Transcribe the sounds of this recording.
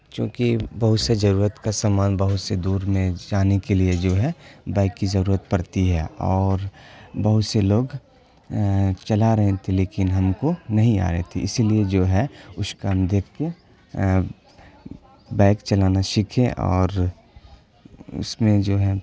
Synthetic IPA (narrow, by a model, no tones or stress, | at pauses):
t͡ʃjõ̰ːkibɐɦʊt̪sezɐɾuːɾət̪kasaːmaːnbɐɦʊt̪sed̪uːɾmẽd͡ʒaːnekelied͡ʒoːɦɛbaːɪkːizɐɾuːɾət̪̚pɐɾt̪iɦɛɔːɾbɐɦʊt̪seloːɡ | t͡ʃɐlaɾɐɦẽt̪ʰeleːkɪnɦɐmkonɐɦĩa̰ːɾɛɦet̪ʰeɪsilied͡ʒoːɦɛʊʃkamd̪eːkʰt̪e | baːɪkt͡ʃɐlaːnaʃɪkʰẽʔɔ̰ːɾ | ʊ̰smẽd͡ʒoːɦɛ